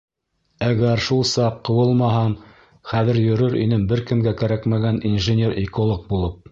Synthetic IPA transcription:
æɡæɾʃulˠsɑqːɤ̆wɤlˠmɑɦɑɴ | χæðɘɾjɵ̆ɾɵɾḭnɘmbɘɾkɘ̆mɡækæɾækmæɡæninʒɘnʲe̞ɾikŏlˠɤq̚bulˠɤp̚

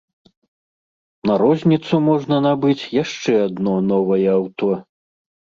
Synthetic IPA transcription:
nɐɾɔzʲnʲit̪sumɔʐnɐnabɨt͡sʲjaʂt͡ʂɛad̪nɔnɔvɐjɛawt̪ɔ

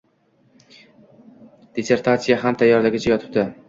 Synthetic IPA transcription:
d̪ese̞ɾt̪ʰat̪sijaɦamt̪ʰajːɒɾd̪aɡʲɪt͡ʃʰajɒt̪ʰɪ̥p̚d̪ɪ

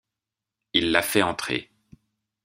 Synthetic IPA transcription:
ilːafɛɑ̃t̪χḛ

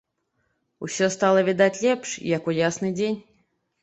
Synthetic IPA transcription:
ṵsʲɔst̪alˠɐvʲid̪at͡sʲlʲɛpʂjakujasnɨd͡zʲenʲ

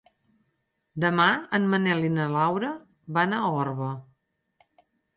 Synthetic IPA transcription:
d̪əmaənmənɛlinəlawɾə | βanaɔrβə

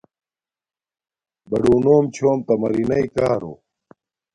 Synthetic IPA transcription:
bɐɽuːnoːmt͡ɕʰoːmt̪ɐmɐɾinɐikaːɾo̰ː

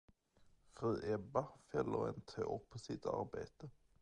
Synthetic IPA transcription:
fʁʉːʔɛbɑfɛləʁɛ̰ːnt̪ʰʁeːɔpʰosɪt̪ɑ̰ʁbæɪt̪ə

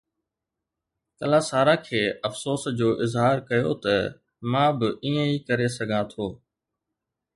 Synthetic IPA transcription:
kəlaːsaːɾaːkʰeːɐfsoːsd͡ʑoːʔɪzɦaːɾkɐjoːt̪ɐ | mãːbɪiːə̃iːkəɾesɐɡʱãt̪ʰoː

